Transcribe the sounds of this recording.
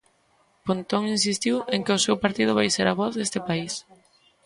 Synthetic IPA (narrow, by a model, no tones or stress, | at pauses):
pont̪oŋinsist̪iweŋkɪʊsewpaɾt̪ið̞ʊβ̞ajseɾaβɔθðest̪ɪpais